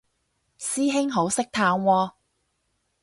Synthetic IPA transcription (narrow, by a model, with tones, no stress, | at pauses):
siː˥ɦɪ˥ŋɦo˨˥wsɪ˥k̚t̪ʰaː˧ŋwɔː˧